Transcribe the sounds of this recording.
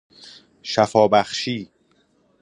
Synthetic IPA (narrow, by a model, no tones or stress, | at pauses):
ʃæfɒːbæχʃiː